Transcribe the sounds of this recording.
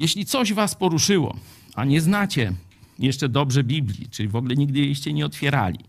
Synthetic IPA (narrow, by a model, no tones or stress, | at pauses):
jɛɕlʲit̪sɔʑvaspɔɾuʂɘwɔ̰ | aɲɛznat͡ɕɛ | jɛʂt͡ʂɛd̪ɔbʐɛbʲiblʲḭt͡ʂɘvɔɡlɛɲiɡ̚d̪ɘjɛɕt͡ɕɛɲɛɔt̪fʲjɛɾa̰lʲḭ